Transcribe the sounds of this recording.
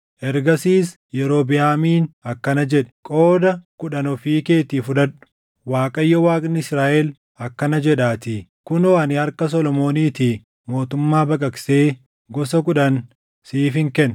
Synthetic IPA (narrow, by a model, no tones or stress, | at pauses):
ʔɛɾɡɐsiːs | jɛɾo̞ːbɪjaːmiːnɐkːɐnɐd͡ʒɛᶑɛ̥kʼo̞ːd̪ɐkʊᶑɐnɔfiːke̞ːt̪iːfʊᶑɐᶑʊ̥ | waːkʼɐjːɔwaːkʼnɪɪsɾaːʔɛl | ɐkːɐnɐd͡ʒɛᶑaːt̪ɪ | kʊnɔɐnɪhɐɾkɐs̬ɔlɔmo̞ːniːt̪i | mo̞ːt̪ʊmːaːbɐkʼɐkseː | ɡɔsɐkʊᶑɐn | siːfɪŋkɛn